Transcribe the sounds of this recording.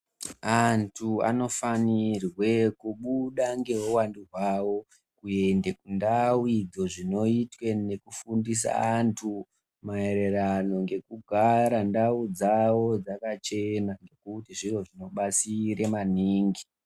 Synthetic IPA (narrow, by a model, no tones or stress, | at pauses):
antʰua̰no̞fanirwe̞kuɓuɗaŋɡe̞wuwanduɦwawo̞ | kue̞ndekundawid͡zo̞ʐino̞itwene̞kufundis̬a̰ːntʰu | mae̞ɾe̞rano̞ŋɡe̞kuɡʱaɾandaud͡zawo̞d͡zakat͡ʃe̞naŋɡe̞kutiʐiro̞ʐino̞ɓat͡siɾemaniːŋɡi